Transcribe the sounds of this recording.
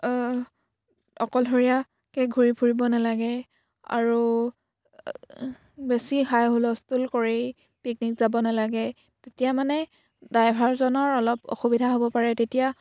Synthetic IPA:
ɔkɔlɦoɹija | kɛɡʱuɹipʰuɹibɔnalaɡɛ | a̰ɹu | besiɦajɦolɔstulkoɹej | pik̚nikz̥abɔnalaɡɛ | tetijamanɛ | dajbʱaɹzɔnɔɹɔlɔpo̰xubidʱaɦobɔpaɹɛtetija

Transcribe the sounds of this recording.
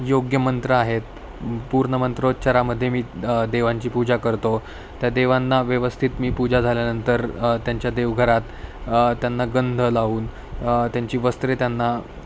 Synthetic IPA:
joɡjəmənt̪ɾəaɦet̪ | puɾɳəmənt̪ɾot̪t͡ɕaɾaməd̪ʱːjemiːd̪eʋaɲt͡ɕiːpud͡ʑakəɾt̪o | t̪jad̪eʋanːaʋjəʋəst̪ʰit̪miːpud͡ʑad͡zʱaljanənt̪əɾt̪jaɲt͡ɕjad̪eʋɡʱəɾat̪t̪janːaɡənd̪ʱəlauːn | t̪jaɲt͡ɕiːʋəst̪ɾet̪janːa

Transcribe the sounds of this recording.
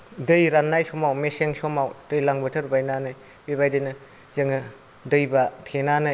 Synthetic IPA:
dɯjɾanːajsɔmawmeseŋsɔmawd̥ɯjlaŋbɐtʰɯɾbajnanɯj | bebajdɯnɯ | zɯŋɯ | dɯjbatʰenanɯj

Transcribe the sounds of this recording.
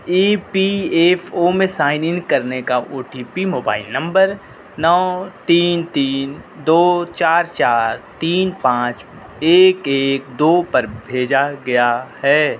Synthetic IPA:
iːpieːfʰomẽsaːɪnɪnkɐɾnekaʔoːʈipimoːba̰ːɪlnɐ̃mbəɾ | nɔːt̪iːnt̪iːnd̪oːt͡ʃaːɾt͡ʃaːɾt̪iːnpãːt͡ʃ | eːkeːk̚d̪oːpɐɾbʱeːd͡ʒaɡɐjahɛː

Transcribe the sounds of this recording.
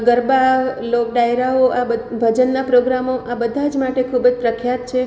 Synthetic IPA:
ɡəɾbalok̚ɖajɾaoʔabəbʱəd͡ʒənːapɾoɡɾamoʔabəd̪ʱad͡ʒmaʈekʰubəd͡ʒpɾəkʰjat̪̚t͡ʃʰe

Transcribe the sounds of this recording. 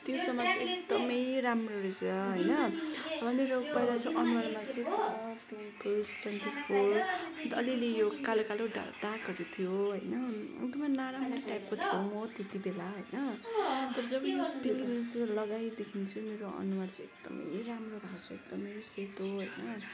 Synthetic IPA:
t̪josʌmːʌt͡sĩekd̪ʌmʌjramroɾisʌɦʌjnʌbʱʌmeɾoɡʌjɾat͡sʰʌ̃ʔʌnuwarmat͡sʌj̃ʌpi | pʌlsʈʰwenʈipʰoɾʌnt̪ʌlilejokalokaloɖa̰dakʌɾit̪ʰijoɦojnʌḛk̚d̪ʌmʌnaɾamrʈap̚kot̪ʰijomʌt̪et̪ibelaɦojnʌt̪ʌɾʌd͡zʌbʌnpilɾid͡zlʌɡajd̪ekʰint͡sʰumeɾoʌ̰nuwart͡sĩek̚d̪̥ʌ̰mʌ̰jramrobʱasʌek̚d̪ʌmʌjset̪oɦojnʌ

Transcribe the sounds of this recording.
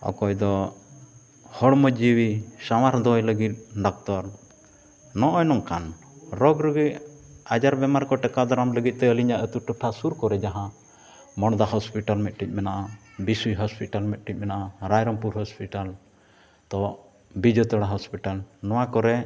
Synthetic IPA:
ɔ̰kɔjd̪ɔ | hɔɽmɔd͡ʒiwisawaɾd̪ɔjləɡit̪̚ɖɔk̚t̪ɔɾ | nɔʔɔjnɔŋkan | ɾɔɡɾuɡicad͡ʒaɾbɛmaɾkɔʈɛkad̪ɔɾamləɡit̪̚ˀt̪ɛəliɲaʔət̪uʈɔʈʰasuɾkɔɾɛd͡ʒaɦã | mɔɽd̪aɦɔspiʈalmɛt̪̚ʈic̪̚ˀmɛnaʔa | bisujɦɔspiʈalmɛt̪̚ˀʈic̪̚ˀmɛnaʔaɾajɾɔmpuɾɦɔspiʈal | t̪ɔ | bid͡ʒɔt̪ɔɽaɦɔspiʈalnɔwakɔɾɛ

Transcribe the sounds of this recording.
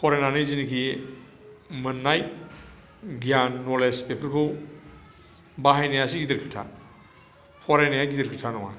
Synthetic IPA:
pʰɔɾenanɯjzinikʰi | mɯnːaj | ɡjanːɔlespepʰɯɾkʰɯw | baɦajnejasiɡidɯɾkʰɯtʰa̰ | pʰɔɾenajaɡidɯɾkʰɯtʰanɔŋa̰

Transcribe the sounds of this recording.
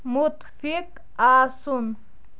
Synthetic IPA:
mʊt̪fik | aːsum

